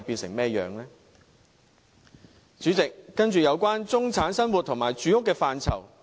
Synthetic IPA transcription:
jpi˧nsɪ̰˨˩ŋmɛː˥jœ̰ː˨˧ŋlɛː˥ | t͡ʃyː˨˥t͡sɪ˨k̚ːɐ˥nt͡ʃyː˨jɐ˨˧wkʷaː˥nt͡sʊ˥ŋt͡sʰaː˨˥nsɐ˥nwu˨t̚t̪ʰʊ˨˩ŋmaː˨˩jt͡ʃyː˨˥jʊ˥kːɛː˧faː˨˧nt͡sʰɐ̰˨˩w

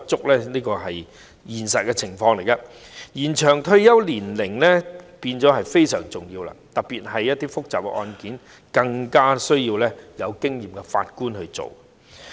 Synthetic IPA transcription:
t͡sʊ˥k̚lɛː˥niː˥kɔː˧ɦɐ˨j | jiː˨˩nsɐ˨t̚kɛ˧t͡sʰɪ˨˩ŋfɔː˧ŋle˨˩jkɐ˧ | jiː˨˩nt͡ʃʰœː˨˩ŋt̪ʰɵ˧ɥjɐ˥wliː˨˩nlɪ˨˩ŋlɛ˥piː˧nt͡sɔː˨˥ɦɐ˨jfe˥jsœː˨˩ŋt͡sʊ˨˩ŋjiː˧wla̰ː˧t̪ɐ˨˩piː˨t̚hɐ˨jːɐ˥t̚t̪iː˥fʊ˥k̚t͡saː˨˩p̚ɛ̰˧ʔɔ̰ː˧nkiː˨˥n | kɐ˧ŋkaː˥sɵ˥ɥjiː˧wlɛː˥jɐ˨˧wkɪ˥ŋjiː˨˩mkɛ˧fa̰ː˧t̚kuː˥nhɵ˧ɥt͡so̰˨w

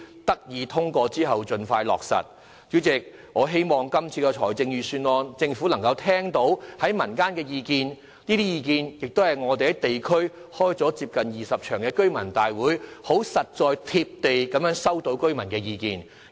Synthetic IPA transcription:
t̪ɐ˥k̚jiː˨˧t̪ʰʊ˥ŋkɔː˧t͡siː˥ɦɐ˨wt͡ʃɵ˧nfaː˧jlɔ̰ː˨˩k̚sɐ̰˨˩t̚ | t͡ʃyː˨˥t͡sɪ˨k̚ | ŋɔː˨˧ɦe˥jmɔː˨ŋkɐ˥mt͡sʰiː˧kɛ˧t͡ʃʰɔ̰ː˨˩jt͡sɪ˧ŋjyː˨˧syː˧nŋɔː˧nt͡sɪ˧ŋfuː˨˥lɐ˨˩ŋkɐ˧wt̪ʰɛː˥ŋt̪o˨˥whɐ˨˥jmɐ˨˩nkaː˥nkɛː˧jiː˨˧kiː˧n | niː˥t̪iː˥jiː˨˧kiː˧njɪ˨k̚t̪o˥whɐ˨˩jŋɔː˨˧t̪e˨jhɐ˨˦˥t̪e˨jkʰɵ˥ɥhɔː˥jt͡sɔː˨˥t͡siː˧˥p̚kɐ˨njiː˨sɐ˨p̚t͡ʃʰœː˨˩ŋkɛː˧kɵ˥ɥmɐ˨˩nt̪aː˨jwuː˨˥jho˨˥wsɐ˨t̚t͡sɔː˨˧jt̪ʰi˧p̚t̪e˨jkɐ˨˥mjœː˨˥ŋsɐ˥wt̪o˨˥wkɵ˥ɥmɐ˨˩nkɛː˧jiː˧kḭː˨n

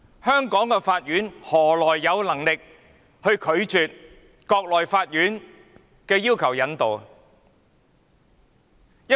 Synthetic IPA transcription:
hœː˥ŋkɔː˨˥ŋkɛː˧faː˧t̚jyː˨˥nhɔː˨˩lɔː˨˩jːɐ˨˧wlɐ˨˩ŋlɪ˨k̚ | hɵ˧ɥkʰɵ˨˧ɥt͡ʃyː˨t̚ | kɔː˧k̚lɔː˨˩jfaː˧t̚jyː˨˥n | kɛː˧jiː˥wkʰɐ˨˩wjɐ˨˧nt̪o˨w | jɐ˥

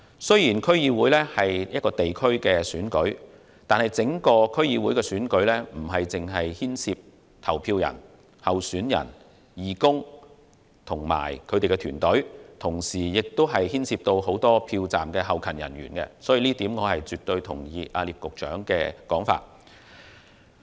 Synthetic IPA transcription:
sɵ˥ɥjiː˨˩nkʰɵ˥ɥjiː˧wuː˨˥jlɛː˥hɐ˨jjɐ˥t̚kːɔː˧t̪e˨jkʰɵ˥ɥkɛː˧syː˨˥nkɵ˨˥ɥ | t̪aː˨nhɐ˨jt͡sɪ˨˥ŋkɔː˧kʰɵ˥ɥjiː˧wuː˨˥jkɛ˧syː˨˥nkɵ˨˥ɥlɛː˥m̩˨˩ɦɐ˨jt͡sɪ˨ŋɦɐ˨jhiː˥nsʰiː˧p̚ | t̪ʰɐ˨˩wpʰiː˧wjɐ̰˨˩n | hɐ˨wsyː˨˥njɐ̰˨˩n | jiː˨˩kʊ˥ŋ | t̪ʰʊ˨˩ŋma̰ː˨˩jkʰɵ˨˧t̪e˨jkɛ˧t̪ʰyː˨˩nt̪ɵ˨˥ɥt̪ʰʊ˨˩ŋsiː˨˩jɪ˨k̚t̪o˥wɦɐ˨jhiː˥nsʰiː˧p̚t̪o˧who˨˥wt̪ɔː˥pʰiː˧wt͡sa̰ː˨mkɛː˧ɦɐ˨wkʰɐ˨˩njɐ̰˨˩nɥyː˨˩nkɛ̰˧sɔː˨˥jiː˧liː˥t̪iː˨˥mŋɔː˨˧hɐ˨jt͡syː˨˩t̪̚ɵ˧ɥt̪ʰʊ̰˨˩ŋjiː˧ʔaː˧liː˨p̚kʊ˨k̚t͡ʃœː˨˥ŋkɛ̰ː˧kɔː˨˥ŋfa̰ː˧t̚

